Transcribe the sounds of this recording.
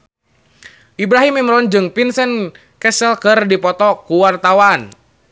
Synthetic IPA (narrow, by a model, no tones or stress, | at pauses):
ʔibɾaɦimːimɾɔnd͡ʒɨŋpinsɛn | kɛsəlkɨrdipɔt̪ɔkuwart̪awan